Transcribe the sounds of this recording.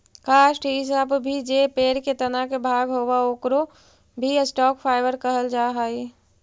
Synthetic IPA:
kaːʃʈɦɪs̬abbʱid͡ʒepeːɾket̪ɐnakebʱaːɡɦoːwaoːkɾo | bʱisʈɔːkpʰaːɪʋəɾkəɦəld͡ʒaːɦaːi

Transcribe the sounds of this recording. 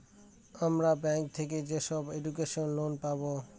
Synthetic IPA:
amɾabɛŋk̚t̪ʰek̬ed͡ʑeʃɔbeɖukeʃonlonpabo

